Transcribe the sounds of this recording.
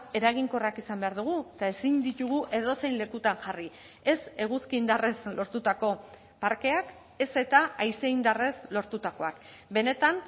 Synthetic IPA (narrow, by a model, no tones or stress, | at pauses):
e̞ɾaɣiŋko̞rakisambe̞aɾðuɣ̞uet̪ae̞siɲd̪it̪uɣ̞uʔe̞ðo̞se̞jnle̞kut̪anʝari | e̞se̞ɣ̞uskiːnd̪are̞slo̞ɾt̪ut̪ako̞ | paɾke̞ak | e̞se̞t̪aajse̞ind̪are̞slo̞ɾt̪ut̪ako̞akbe̞ne̞t̪an